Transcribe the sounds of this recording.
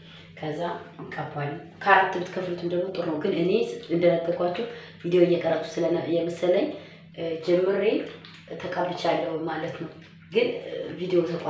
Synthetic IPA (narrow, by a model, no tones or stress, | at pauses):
kʰəzːaɨkʼabalːəmkʰəat̪ʰːɨbɨt̪kʰəflt̪ʰɨmd̪əɡmot̪ʼɨɾnəwɡɨnɨne̞ɨnd̪ənəɡːəɡʼʷat͡ʃːɛh | vid̪ejojːɛkʼərːət̪ʼːu̥sɨləjɛməsːələɲː | d͡ʒɛmːɨɾe | t̪ʰəkʼabɨt͡ʃːalːəwumalət̪nəw | ɡɨnvid̪ejot̪ʰəkʷʼ